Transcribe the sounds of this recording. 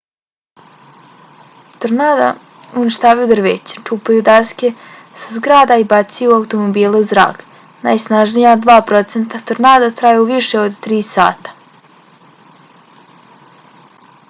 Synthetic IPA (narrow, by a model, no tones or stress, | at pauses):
t̪oɾnaːd̪a̰ | uniʃt̪aːʋajud̪r̩ʋḛːt͡ɕe̥t͡ʂupajud̪askʲe̞ | sazɡɾaːd̪aibat̪sijuawt̪o̞mobiːlˠuuzɾa̰ːk | na̰ːjsnaʒnijad̪ʋaːpɾo̞t̪sent̪at̪oɾnaːd̪at̪ɾajeuʋiʃe̞o̞d̪t̪ɾiːsa̰ːt̪ḁ